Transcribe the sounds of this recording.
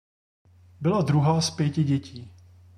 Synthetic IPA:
bɪlad̪ɾuɦaːspjɛcɪɟɛciː

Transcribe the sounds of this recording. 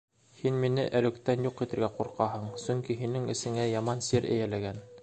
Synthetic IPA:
hinminɘʔælɵ̆kt̪ænjuqit̪ɘ̆ɾɡæquɾqɑɦɤɴsɵ̆ŋkiɦinɘŋɘ̆sɘ̆ŋæjɑmɑnsiɾɘ̰jælæɡæn

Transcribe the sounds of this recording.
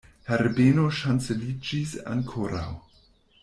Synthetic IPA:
heɾbeno̞ʃant͡selid͡ʒisa̰ŋkʰoɾa̰w

